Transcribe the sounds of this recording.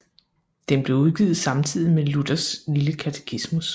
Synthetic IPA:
d̥enb̥le̝uð̞ˠɡ̥ið̩ˠsɑ̈mt͡sʰið̰ˠimelud̥ɐsliləkʰæt͡sʰe̥kʰismus

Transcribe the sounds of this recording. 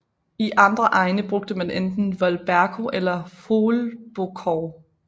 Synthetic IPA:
iʔɑ̈nd̥ʁɐʔɑ̈ɪnəb̥ʁɔɡ̥̚d̥əmænend̥n̩ʋɒlb̥æɐkʰo̝ʔelɐfoːlb̥o̝kʰɒː

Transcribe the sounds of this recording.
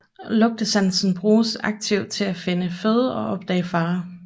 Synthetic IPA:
lɔ̽ɡ̥̚d̥əsænsn̩b̥ʁuːsɑ̈ɡ̥̚t͡sʰiʊd̥̚t͡sʰe̝læfe̝nəføð̞ˠɒ̽ʔɒ̽b̥̚d̥ɛ̰ːɪfɑ̈ː

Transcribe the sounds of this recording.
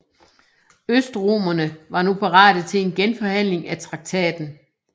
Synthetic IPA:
øsd̥ʁomɐnəʋɑ̈nupʰɑ̈ʁɑ̰̈ːɾ̥ət͡sʰe̝le̝nɡ̥enfɒ̽hæn̰le̝ŋæt͡sʰʁɑ̈ɡ̥̚t͡sʰɛ̰ːd̥n̩

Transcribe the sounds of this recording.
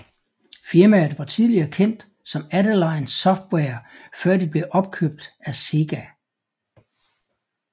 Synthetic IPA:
fiɐmæð̩ˠʋɑ̈t͡sʰið̞ˠliɐːkʰen̰d̥ | sɒ̽mæɾəlɑ̈ɪnsɒ̽fd̥wɛːɐfɶɐ̰d̥ib̥le̝ʔɒ̽b̥̚kʰøb̥̚d̥æse̝ɡ̥æ

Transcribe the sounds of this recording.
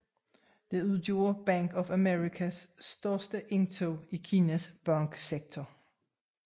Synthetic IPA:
d̥e̝uðˠd̥jo̝̰ːɐb̥æŋ̰ɡ̥ɒfæmeʁikʰæsːd̥ɶɐsd̥əʔe̝ŋt͡sʰoikʰiːnæsb̥ɑŋɡ̥seɡ̥̚t͡sʰɒ

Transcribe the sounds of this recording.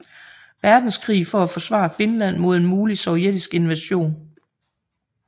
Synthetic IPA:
ʋæɐd̥n̩sɡ̥ʰʁḭːfɒæfɒ̽sʋɑ̰̈fe̝nlæn̰mo̝ð̞̰ˠe̝nmuːlisɒʊed̥isɡ̥e̝nʋæɕo̝̰ːn

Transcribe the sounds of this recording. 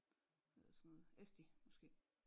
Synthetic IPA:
heðˠsɔnoːð̩ˠesd̥imɒ̽sɡ̥e̝̰ː

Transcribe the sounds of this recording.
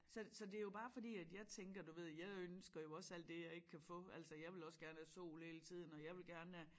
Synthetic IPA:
sɒ̽sɒ̽d̥e̝æɐjo̝b̥ɑ̈ːfɒ̽dḭːæd̥jɑ̈ɪt͡sʰeŋɡ̥ɐd̥uʋe̝ð̞̰ˠjɑ̈ɪønsɡ̥ɐjo̝ɒ̽sæl̰d̥ːe̝jɑ̈ɪe̝ɡ̥əkʰæfɔ̽æl̰sɐjɑ̈ɪʋe̝lɒ̽sɡ̥æɐnæsɔ̰ːlhe̝ːlət͡sʰið̰ˠn̩ɒ̽jɑ̈ɪʋe̝lɡ̥æɐnəæ

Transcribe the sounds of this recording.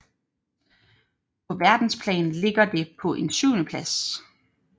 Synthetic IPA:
pʰɒ̽ʋæɐd̥n̩spʰlɛ̰ːn̩le̝ɡ̥ɐd̥e̝pʰɒ̽ʔe̝nsyʊnəpʰlæs

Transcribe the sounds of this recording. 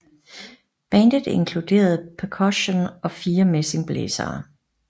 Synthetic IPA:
b̥ænd̥əð̩ˠe̝ŋkʰlud̥e̝̰ːɐð̞̩ˠpʰɛkʰɒɕonɒ̽fiːɐmese̝ŋb̥lḛːsɐ̰ː

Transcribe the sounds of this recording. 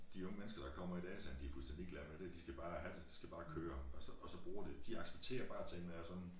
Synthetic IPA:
d̥iɔ̽ŋəmenəsɡ̥ɐd̥ɑ̈kʰɒ̽m̰ɐid̥ɛ̰ːsænd̥iæfulsd̥ænd̥ieɡ̥læɐmed̥e̝d̥isɡ̥æb̥ɑ̈ːhæd̥ed̥i̥sɡ̥æb̥ɑ̈ːkʰøːɐɒsɒ̽ʔɒsɒ̽b̥ʁuːɐd̥e̝d̥iɑ̈ɡ̥seb̥̚t͡sʰe̝̰ːɐb̥ɑ̈ːt͡sʰennæɒsɒ̽nn̩

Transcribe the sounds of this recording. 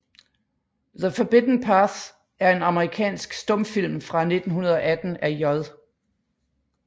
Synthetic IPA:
ðəfəb̥ed̥n̩pʰɑθ | æɐe̝nɑ̈məʁikʰɛ̰ːnsɡ̥sd̥ɔ̽mfil̰mfʁɑ̈ne̝d̥n̩ɦunɐð̞ˠɒ̽ʔæd̥n̩æjɒðˠ

